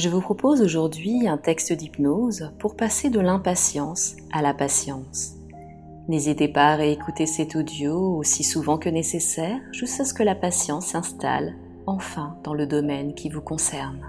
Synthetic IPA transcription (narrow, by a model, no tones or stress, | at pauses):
ʒəvupχɔpozoʒuʁd̪ɥiɛ̃t̪ɛkst̪əd̪ipnozpuʁpased̪əlɛ̃pasjɑ̃s | alapasjɑ̃s | nezit̪epaːʁeekut̪esɛt̪od̪joosisuvɑ̃kənesesɛʁʒyskasə̥kəlapasjɑ̃sɛ̃st̪a̰l | ɑ̃fɛ̃d̪̥ɑ̃ləd̪ɔmɛnkʲʰivukɔ̃sɛʁn